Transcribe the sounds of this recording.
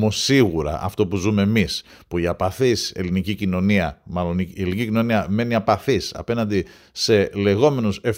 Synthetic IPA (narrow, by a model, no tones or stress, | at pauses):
mo̞siɣuɾɐ̰ʔɐ̰ft̪o̞puzume̞emis | puiɐpɐθise̞̰linicicino̞niɐmɐlo̞nelinicicino̞niɐme̞niɐpɐθisɐ̰pe̞nɐnd̪i | se̞le̞ɣo̞me̞nusef